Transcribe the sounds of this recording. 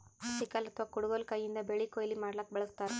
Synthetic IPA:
ɐsikalɐt̪ʰʋakuɽuɡolkɐjːind̪ɐbeɭikoːjɐlimaːɽɐlɐk̚bɛɭɐst̪aːɾe

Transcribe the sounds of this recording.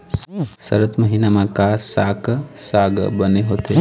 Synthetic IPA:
səɾət̪məɦinamãkasaksaɡ̰bəneɦoːt̪e

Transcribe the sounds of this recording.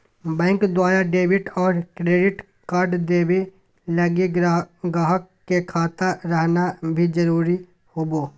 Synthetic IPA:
bɛ̃ːŋkd̪waːɾaɖeːbɪʈɔːɾkɾeːɖɪʈ | kaɾɖd̪eːbe | lɐɡiɡaːɦəkːekʰaːt̪aɾəɦnabʱid͡ʒɐɾuːɾi | hoːboː

